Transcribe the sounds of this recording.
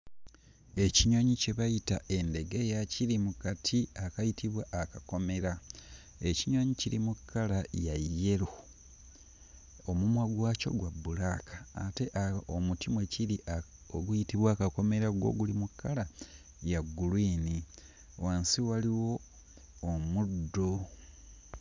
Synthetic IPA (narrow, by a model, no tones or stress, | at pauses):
e̞ciɲoɲice̞βajitae̞nde̞ɡe̞jaciɾimukatʰiakajitʰiβwaʔːkako̞me̞ɾa | e̞ciɲoɲiciɾimukʰːalajajːe̞ɾo | omumwaɡwaːco̞̰ɡwabːulakʰḁːte̞ʔaomutimweciɾiʔa | oɡujitiβwaːkako̞me̞ɾaɡwo̰ɡulimukʰːala | jaɡːulwiːni | waːnsiwaliwo̞ː | mudːo